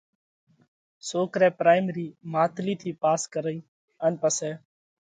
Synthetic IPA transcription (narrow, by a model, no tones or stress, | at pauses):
soːkɾɛːpɾaːɪmɾiːmaːt̪liːt̪ʰiːpaːskəɾəĩː | ənpəsɛː